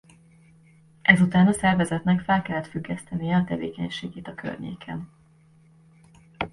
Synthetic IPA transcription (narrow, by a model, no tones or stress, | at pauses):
ʔɛzut̪aːnɒsɛrvɛzɛt̪nɛkfɛlkɛlːɛt̪fyɡːɛst̪ɛnijɛɒt̪ɛvḛːkɛɲʃeːɡeːt̪ɒkʰø̰rɲḛːkʰɛ̰n